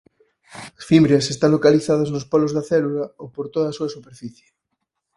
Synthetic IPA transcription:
ɐsfimbɾjasest̪aŋlokaliθaðɐznospɔlozðɐθɛlulɐowpoɾt̪oðaːsuɐsupeɾfiθje

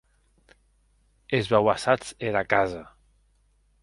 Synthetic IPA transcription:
ezβawasat͡seɾakaza

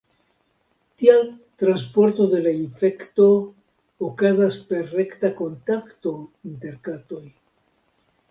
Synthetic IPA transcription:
t̪ialt̪ɾanspo̞ɾt̪oðe̞laiɱfekt̪o̞ː | kazaspe̞ɾrekt̪ako̞nt̪akt̪oint̪e̞ɾkat̪o̞j

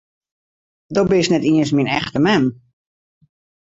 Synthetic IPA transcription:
dɔbɪsnɛtiəns̬minɛ̰xtəmɛm

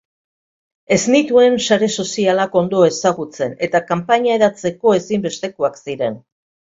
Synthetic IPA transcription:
e̞znit̪ue̞nsaɾe̞so̞sialako̞nd̪o̞e̞saɣut͡se̞ne̞t̪akampaɲae̞ɾat͡se̞ko̞e̞simbe̞st̪e̞koaksiɾe̞n

